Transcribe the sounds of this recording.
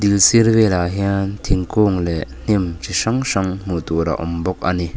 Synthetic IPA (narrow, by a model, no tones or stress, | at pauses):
d̪ilsiɾvelaɦiant̪ʰiŋkuːŋlɛʔn̥imt͡ʃʰisaŋsaŋm̥ut̪uɾa̰ʔɔ̰mbɔk̚ʔani